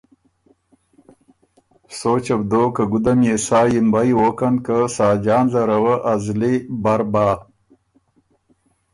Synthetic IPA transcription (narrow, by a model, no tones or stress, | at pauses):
soːt͡ʃɐbd̪oːkəɡud̪amjesaːjimbajwokankəsaːd͡ʒaːnzaɾawəʔazlibaɾbaː